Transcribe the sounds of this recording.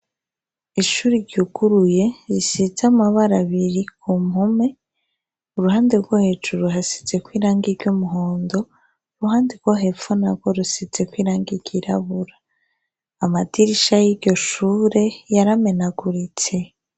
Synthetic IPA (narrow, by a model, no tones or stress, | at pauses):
iʃuɾiɾɟuɡ̥uɾuje̞ɾisizamaβaɾaβiɾikʰumhume̞ | uɾuɦaːnde̞ɾɡwohe̞ːd͡ʒuɾuɦasi̥ze̞kwiːɾaːŋɡiɾɟumuɦoːndo̞ | uɾuɦaːndeɾɡwoɦe̞fonaɾɡwoɾusize̞kwiːɾaːŋɡiɾɟ̥iɾa̰βuɾaː | madiɾiʃajiɾɟo̞ʃuːɾe̞jaɾame̞naɡuɾit͡se̞